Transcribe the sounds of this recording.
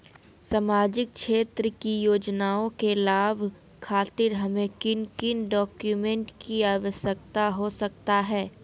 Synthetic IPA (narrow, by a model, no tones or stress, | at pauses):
samaːd͡ʒɪk̚ʃeːt̪ɾəkijoːd͡ʒnaːõkelaːbʱ | kʰaːt̪ɪɾɦɐmẽkɪnkɪnɖɔːkjumẽɳʈkiaːʋəʃjək̚t̪aɦosɐk̚t̪aɦɛː